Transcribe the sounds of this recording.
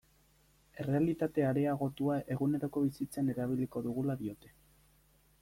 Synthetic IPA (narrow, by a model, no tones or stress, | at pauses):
e̞re̞alit̪at̪e̞aɾe̞aɣ̞o̞t̪uaʔe̞ɣune̞ɾoko̞βisit͡seane̞ɾaβ̞iliko̞ðuɣ̞ulaðio̞t̪e̞